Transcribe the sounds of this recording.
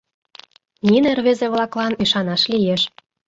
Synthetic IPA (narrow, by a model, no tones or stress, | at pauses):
nʲinerβezeβlɑklɑnyʃɑnɑʃlijeʃ